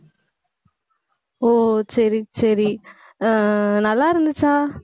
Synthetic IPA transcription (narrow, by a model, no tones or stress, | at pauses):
oːsɐɾisɐɾi | nɐlːaːɾɯnd̪ɨt͡ʃaː